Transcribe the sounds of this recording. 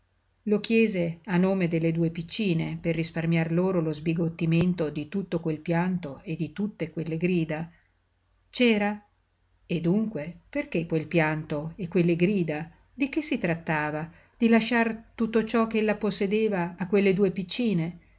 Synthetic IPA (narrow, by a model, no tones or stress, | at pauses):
lok̟jɛːzeanːoːmed̪elːed̪uːepit͡ʃːiːneperːisparmjarloːɾolozbiɡot̪ːiment̪od̪it̪ut̪ːokwelpjant̪oed̪it̪ut̪ːekwelːeɡɾiːd̪a | t͡ʃɛːɾa | ed̪ːuŋkweperkekwelpjant̪oekwelːeɡɾiːd̪a | d̪ik̟esːit̪ɾat̪ːaːva | d̪̥ilaʃːart̪ut̪ːot͡ʃɔk̟eelːaposːed̪eːvaːkːwelːed̪uːepit͡ʃːiːne